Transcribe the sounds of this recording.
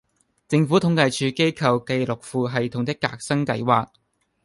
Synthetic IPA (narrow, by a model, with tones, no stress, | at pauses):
t͡sɪ˧ŋfuː˨˥t̪ʰʊ˨˥ŋkɐ˧jt͡ʃʰyː˨˧ke˥jkʰɐ˨˧wke˧jlʊ˨k̚fuː˧ɦɐ˨jt̪ʰʊ˨˩ŋt̪ɪ˥kːa̰ː˧˥k̚sɐ˥ŋkɐ˧jwaː˨k̚